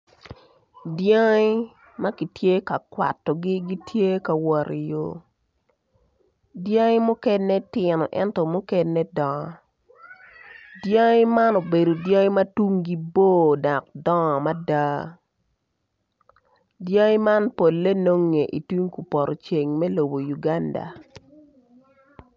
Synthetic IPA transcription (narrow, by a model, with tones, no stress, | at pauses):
dja˦ɪ˦ | ma˦ki˨tje˦ka˨kwa̰˨tːɔ˨ɡi˦ɡi˦tʰje˦ka˨wɔ˨ɾi˨jo̰˨ | dja˦ŋɪ˦mu˦kɛ˦nːe˦tɪ˨nɔ̰˨ʔɛ̰˦ntɔ˨mu˦kɛ˦nːɛ˦dɔ˨ɔ˨ | dja˦ŋɪ˦ma˦no˨be˨do˨dja˦ŋɪ˦ma˦tu˦ŋɡi˦bo˦da˨k̚dɔ˦˨ma˦da˦ | dja˦ɪ˦ma˦npo˨lːe˦no˦ŋːe˨ʔi˨tu˦ŋku˨pɔ˨ɾʔɔ˨t͡ʃe˨ŋmɛ˦lo˨bo˨ju˨ɡa˦nda̰˨